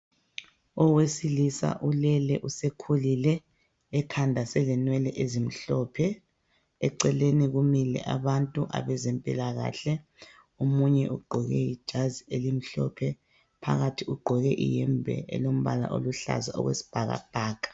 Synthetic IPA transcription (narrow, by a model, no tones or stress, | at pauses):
ɔwesilisa̰ʔulɛlɛʔusekʰulilɛː | kʰandʱasɛlɛnwɛlɛʔezim̩ɬɔpʰɛ | ɛǀɛleniɣumilɛ̰ʔaβantʼuʔa̰βɛzɛmpʼilaɣa̰ɬɛ | omuɲɛ̰ʔuɡ͡ǃʱɔɣɛjid̥ʒ̥ʱazielim̩ɬɔ̰pʰɛ | pʰa̰ɣatʰiuɡ͡ǃʱɔɣɛʔḭjɛmbʱɛ̰ʔɛ̰lom̩βala̰ʔo̰luɬa̰zaɔ̰ɣwḛsi̥b̥ʱaɣa̰b̥ʱaːkʼḁ